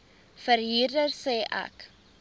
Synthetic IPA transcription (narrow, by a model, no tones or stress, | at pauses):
fəɾrɦiːrdərsɛːʔɐ̰k